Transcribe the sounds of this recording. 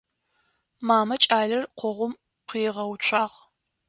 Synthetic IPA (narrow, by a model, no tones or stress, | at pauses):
maːmɐt͡ʃʼaːɮɐrqʷɔʁʷʊm | qʰiːʁɐwt͡ʃʷʰaːʁ